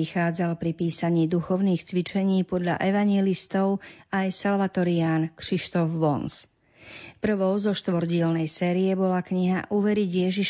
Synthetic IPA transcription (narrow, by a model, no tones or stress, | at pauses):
ixaːd͡zalpɾipiːsaɲiːd̪uxɔʊniːxt͡sʋit͡ʃɛɲiːpɔd̪ʎa̰ʔɛʋaɲɪjɛlist̪ɔʊajsalʋat̪ɔɾiaːnkriʃt̪ɔvʋɔns | pr̩ʋɔʊzɔʃt̪ʋɔɾɟɪɛlnɛjsɛːɾiɛbɔlakɲiɦa̰ʔuːʋɛɾiɟjɛʒiʃ